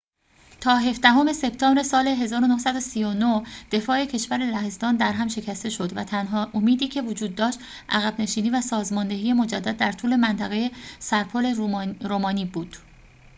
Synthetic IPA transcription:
t̪ʰɒːɦe̞fd̪æɦo̞me̞se̞pt̪ʰɒːbɾe̞sɒːle̞ɦe̞zɒːɾonohsæd̪o̞siːjo̞nohd̪̥e̞fɒːe̞cʰe̞ʃvæɾelæhe̞zt̪ɒːnd̪æɾɦæmʃe̞cʰæst̪e̞ʃo̞d̪væt̪ʰænɦɒːʔomiːd̪iːcʰe̞vod͡ʒuːd̪ːɒːʃt̪ | ʔæɣæbne̞ʃiːniːvæsɒːzmɒnd̪eɦiːje̞mo̞d͡ʒæd̪ːæd̪ːæɾt̪ʰuːle̞mænt̪ʰæɣe̞je̞sæɾpʰole̞ɾomɒːnibuːd̪̥

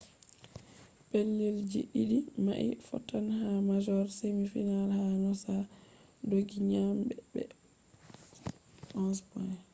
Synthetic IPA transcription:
pelːild͡ʒḭɗiɗima̰ʔḭfɔ̰tːanhamad͡ʒɔɾsemifinalhanɔsadoɡiɲambɛbɛ̰ | ʔɔnspɔn

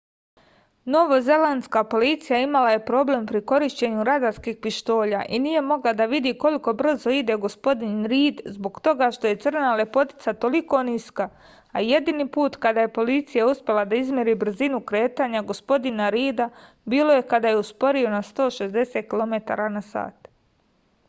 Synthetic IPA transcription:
no̞ʋoze̞land̪skapo̞lit̪sijaimalaje̞pɾo̞ble̞mpɾiko̞ɾiʃt͡ɕe̞ɲuɾad̪aɾskiːxpiʃt̪o̞ːʎaʔinije̞mo̞ɡlad̪aʋid̪iko̞liko̞br̩zo̞id̪e̞ɡo̞spo̞d̪inɾiːd̪zbo̞ɡt̪o̞ɡaʃt̪o̞je̞t̪sr̩nale̞po̞t̪i̥t̪sat̪o̞liko̞niska | aje̞d̪iniːpuːt̪kad̪aːje̞po̞lit̪sijauspʲje̞lˠad̪aizmʲje̞ɾiːbr̩zinukɾe̞ːt̪aːɲaɡo̞spo̞d̪inaɾiːd̪a | biːlo̞je̞kad̪aje̞uspo̞ɾio̞nast̪o̞ːʃe̞zd̪e̞seːt̪̚kilˠome̞t̪a̰ːɾanasa̰ːt̪

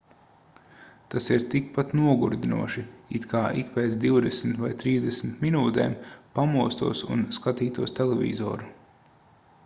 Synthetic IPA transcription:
t̪asiɾt̪ik̚pat̪nuɔɡuɾd̪ʲinṵɔʃiit̪kʰaːʔḭkpeːt̪sd̪iwd̪ɛsm̩t̪vajt̪ɾiːzd̪ɛsm̩t̪minuːt̪eːmpamuɔst̪uɔsṵnskat̪iːt̪uɔst̪elɛvʲḭzɔ̰ːɾu

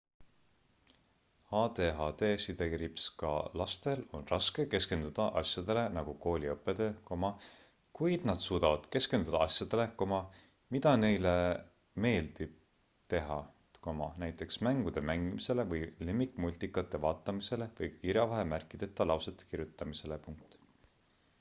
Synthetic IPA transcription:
hɑːd̪eːɦɑd̪e̞ːsid̪ekɾipskɑ̰lɑst̪e̞lo̞nrɑske̞ke̞ske̞nd̪ud̪̥ɑʔɑ̰sjɑd̪̥e̞le̞nɑɡ̥uko̞ːlʲiɤpːˑed̪̥e̞ko̞mɑ | kujd̪̥nɑd̪̥suːd̪ɑvɑd̪̥ke̞ske̞nd̪ud̪ɑɑsʲjɑd̪̥e̞le̞ko̞mɑ | mid̪̥ɑne̞jle | me̞ːld̪̥ib̥̚ | t̪e̞ɦɑ̰ | ko̞mɑnæjt̪ˑːe̞ksmæŋɡ̥ud̪̥e̞mæŋɡ̥imise̞levɤjlemːikˑmulʲt̪ikːˑɑt̪ːˑe̞vɑːt̪ːˑɑmise̞le̞vɤjkiɾjɑvɑɦemærkːˑid̪̥e̞t̪ːˑɑlɑwset̪ːˑe̥kiɾjut̪ːˑɑmise̞le̞puŋk̚t̪ˑ

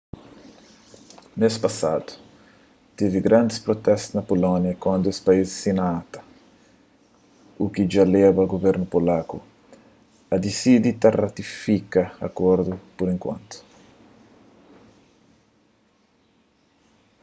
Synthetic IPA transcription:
mespasad̪u̥ | t̪eviɡɾãnd̪ɪspɾot̪ɛst̪snɐpolɔ̃njɐkwɐ̃nd̪ʊespaizsinaat̪ɐ̥ | ukid͡ʒalevɐɡovɛɾnupolaku | ɐd̪isid̪it̪arat̪ifikɐɐ̰kɔɾd̪upoɾẽŋkwã̰nt̪ʊ̥

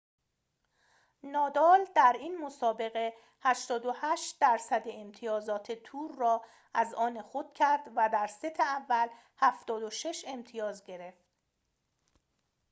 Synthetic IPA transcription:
nɒːd̪ɒːld̪̥æɾinmosɒːbe̞ɣe̞ | hæʃt̪ɒːd̪ohæːʃt̪̚d̪æɾsæd̪eːmt̪ʰijɒːzɒːt̪ʰe̞t̪ʰuːɾːɒː | ʔæzɒːnexod̪̥̚cʰæɾd̪̥væd̪æɾset̪ʰeævːæl | hæft̪ɒːd̪oʃe̞ʃe̞mt̪ʰijɒːzɟe̞ɾe̞ft̪

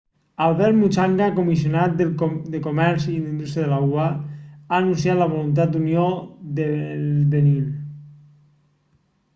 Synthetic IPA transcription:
alβɛɾt̪mut͡ʃaŋɡakomis̬ionat̪̚d̪ed̪ekomɛɾziðind̪ust̪ɾjaðelawaaːnuns̬jat̪laβ̞olunt̪̬at̪̚d̪unjod̪eβenil

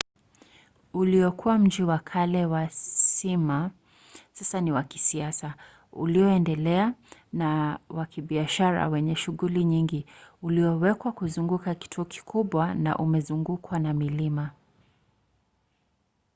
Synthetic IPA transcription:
uliɔkʰuwam̩d͡ʒiwakʰalɛwasima | sasaniwaki̥siasa | ṵliɔɛndɛlɛanawakiɓiaʃaɾa̰wɛɲɛʃuɣuliɲiŋɡiuliɔwɛkwakuzuŋɡukaki̥tʰuɔki̥kʰuɓwana̰ʔumɛzuŋɡukʰwanamilima

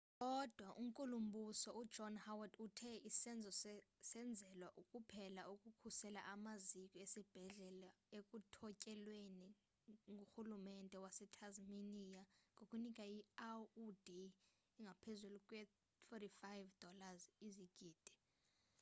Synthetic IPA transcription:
kʼɔd̥ʱwaʔum̩kʼulum̩bʱusɔud̥d͡ʒ̥ʱɔnhawadutʰɛisɛnd͡zʱɔsɛnd͡zʱɛlwaʔukʼupʰɛlaukʼukʰusɛla̰ʔamazikʼɔesib̥ʱɛɮɛlaekʼutʰɔcʼɛlweni | ŋɡʱuxulumɛntʼɛwasɛtʰazminijaŋɡʱokʼunikʼajiaudʱi | iŋɡʱapʰezulukʼwɛ | t̪ʰɔtifajvd̥ʱɔlaziziɡ̥ʱiːd̥ʱi̥

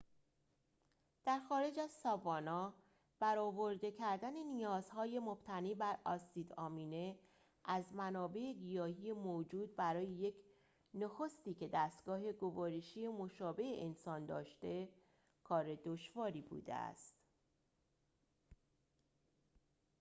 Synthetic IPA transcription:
d̪̥æɾxɒːɾe̞d͡ʒæzsɒːvɒːnɒː | b̥æɾɒːvo̞ɾd̪e̞cʰæɾd̪æne̞nijɒːz̥hɒːje̞mob̥t̪ʰæniːbæɾɒːsiːd̪ɒːmiːne̞ | ʔæzmænɒːbe̞eɡijɒːhije̞mod͡ʒuːd̪̚bæɾɒːje̞je̞cʰ | noxo̞st̪iːce̞d̪æst̪ɡ̥ɒːɦe̞ɡo̞vɒːɾeʃije̞mo̞ʃɒːbe̞eʔensɒːnd̪ɒ̰ːʃt̪e̞ | kʰɒːɾe̞d̪oʃvɒːɾiːbṵːd̪ḛæ̰st̪

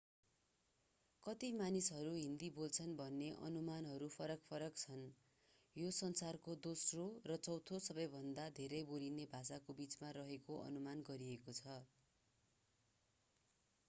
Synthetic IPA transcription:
kʌt̪imanisɦʌɾuɦind̪ibolt͡sʰʌnbʱʌnːeʔʌ̰numanɦʌɾupʰʌɾʌkpʰʌɾʌkt͡sʰʌn | josʌnsarkod̪osrorʌt͡sʌwt̪ʰosʌbʌjbʱʌnd̪ad̪ʱeɾʌjbolinebʱasakobit͡smarʌɦekoʔʌ̰numanɡʌɾiekot͡sʰʌ

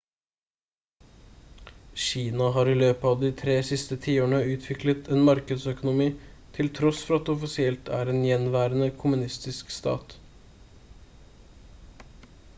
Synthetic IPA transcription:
ɕiːnɑɦɑːɾiːløːpɑʋd̪iːt̪ʰɾeːsɪst̪ət̪ʰiːoːɳəʉːt̪ʰʋɪklət̪ʰeːnmɑɾkəd̪sœkʊnʊmiːt̪ʰɪlt̪ʰɾɔsfɔɾɑt̪ɔfɪsɪɛlt̪ʰæ̰ːɾeːnjɛnʋæːɾənəkʰʊmʉnɪst̪ɪskst̪ɑ̰ːt̪

